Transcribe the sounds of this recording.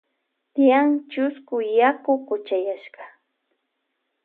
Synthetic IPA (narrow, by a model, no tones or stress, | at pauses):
t̪ɪjaŋt͡ʃʊskʊjakʊkʊt͡ʃajaʃɢɑ